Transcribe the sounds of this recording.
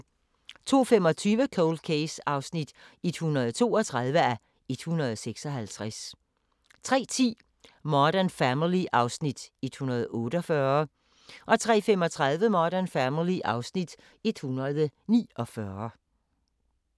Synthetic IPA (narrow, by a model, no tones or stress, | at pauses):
t͡sʰo̝̰ːfemɒ̽t͡sʰyːʋəkʰoʊld̥̚kʰeɪsɑ̈ʊsnid̥e̝d̥hunɐð̞̩ˠt͡sʰo̝̰ːɒt͡sʰʁað̞ˠʋəæ | e̝d̥hunʁɐð̞ˠseɡ̥sɒ̽hælt͡sʰʁas | t͡sʰʁɛ̰ːt͡sʰḭː | mɒɾ̥ænfæmiliʔɑ̈ʊsnid̥e̝d̥hunɐð̞̩ˠɔ̽ːɾ̥əɒfɶɐ | ʔɒ̽t͡sʰʁɛ̰ːfemɒ̽t͡sʰʁɑðˠʋəmɒːɾ̥ɐnfæmiliʔɑ̈ʊsnid̥ | e̝d̥hunɐðˠənḭːɒ̽fɶɐ